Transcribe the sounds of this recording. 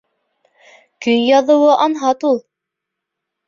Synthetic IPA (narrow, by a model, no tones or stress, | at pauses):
kɵjjɑðɤ̆wɤʔɑnɦɑt̪ulˠ